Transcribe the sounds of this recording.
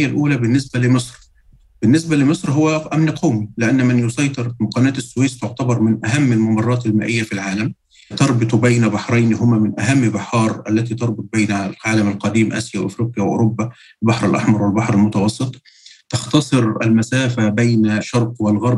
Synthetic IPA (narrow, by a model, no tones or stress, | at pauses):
jːælʔuːlæbɪnːɪsbælɪmɨsˤɾ | bɪnːɪs̬bælɪmɨsˤɾɦʊwːæʔæmnqʰɑwmilɪʔanːmɪnjʊsˤɑjt̪ˤɨɾmʊqɑːnæːt̪ɪsːʊweːst̪oʕt̪æbɑɾˤmɪnʔæɦæmːɪlmɑmɑrˤːɑːt̪ɪlmæ̰ːʔɪjːæfilʕaːlæm | t̪ɑɾˤbɨt̪ˤbæjnæbɑħɾˤɑjnɦʊmæmɪnʔæɦæmːbɪħɑːɾˤʔælːæt̪iːt̪ɑɾˤbʊt̪̚ˤbejnælʕaːlæmalqɑd̪iːmʔæ̰sjæwʔɪ̰fɾiːqɪjæwɪʔo̰ɾobːæ | lbɑħɾɪlʔɑ̰ħmɑɾˤwɪlbɑħɾɪlmʊt̪ɑwɑsˤːɨt̪ˤ | t̪ɑxt̪ɑsˤɨɾʔælmæsæːfæbejnʃɑɾˤqwɪlɣɑɾˤb